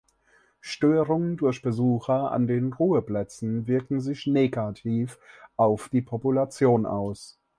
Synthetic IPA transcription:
ʃtøːʁʊŋəndʊɐçb̥əzuːxɐa̰ndeːnʁuːəplɛt͡sn̩vɪɐkŋ̩zɪçneːɡatʰiːfʔaʊfd̥iːpʰɔpulat͡sjoːnʔa̰ʊs

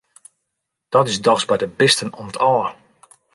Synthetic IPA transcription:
d̥ɔtɪsdɔsbɛjdəbɪstənonətʰɔlə

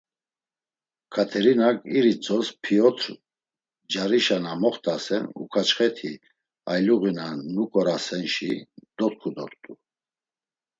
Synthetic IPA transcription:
kʰat̪ʰɛɾinakʼiɾit͡sʰʼɔspʰiɔt̪ʰɾ | d͡ʒaɾiʃanamɔχt̪ʰʼasɛnṵkʰat͡ʃχɛt̪ʰi | ajluɣinanukʼɔɾasɛnʃid̪̥ɔt̪̚kʰud̪ɔɾt̪ʼu

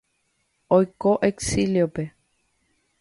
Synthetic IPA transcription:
ojkoʔeksiliope̞

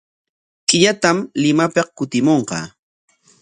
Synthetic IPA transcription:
kɪʎat̪amlɪmapɑqkʊt̪ɪmoɴqɑ̰ː

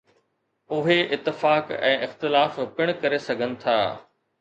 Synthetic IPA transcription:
ʊɦeʔɪt̪ːɪfaːkɛ̰̃ːʔɪxt̪ɪlaːfpɪɽ̃kɐɾesɐɡʱənɪ̆t̪ʰa̰ː

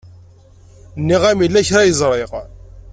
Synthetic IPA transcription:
nːiʁæmilːæçɾajəzˤɾˤeʁ

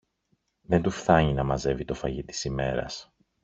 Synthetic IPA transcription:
ðent̪ufθɐɲinɐmɐze̞vit̪o̞fɐʝit̪i̥sime̞ɾɐ̰s

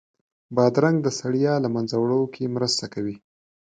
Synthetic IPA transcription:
bɑd̪ɾaŋɡd̪əsaɽjɑlamanzawɽokʰemɾəst̪akawi

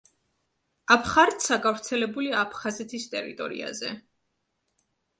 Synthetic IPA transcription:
apʰχaɾt̪sʰaɡavɾt̪sʰɛlɛbuliaːpʰχazɛt̪ʰist̪ʼɛɾḭt̪ʼɔ̰ɾḭa̰zɛ

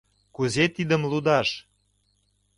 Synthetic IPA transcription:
kuzet̪id̪əmlud̪ɑʃ

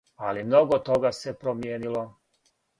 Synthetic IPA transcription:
alimno̞ɡot̪o̞ɡase̞pɾomjeːnilo

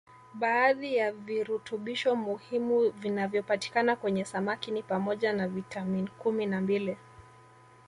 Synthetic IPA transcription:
ɓaːðijaviɾutuɓiʃɔmuhimuvinavjɔpati̥kanakwɛɲɛsamakinipamɔʄanavitʰaminikuminambili

